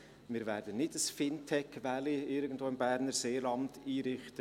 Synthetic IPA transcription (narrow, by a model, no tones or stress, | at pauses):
mɪːɾvæːɾdənɪdəsfɪntʰɛkvæliɪɾɡən̩dvoːɪmbæːɾnəɾseːlɑnd̥iːɾɪχtə